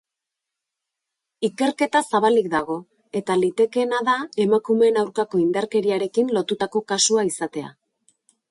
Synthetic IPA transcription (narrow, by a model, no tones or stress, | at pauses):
ike̞ɾke̞t̪asaβalikd̪aɣ̞o̞ | e̞t̪alit̪e̞ke̞naðae̞makume̞ːnawɾkako̞ind̪aɾke̞ɾiaɾe̞kinlo̞t̪ut̪ako̞kasuaisat̪e̞a̰